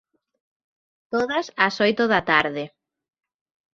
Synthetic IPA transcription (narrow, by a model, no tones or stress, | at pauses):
t̪oðɐsɐsojt̪oðat̪aɾðɪ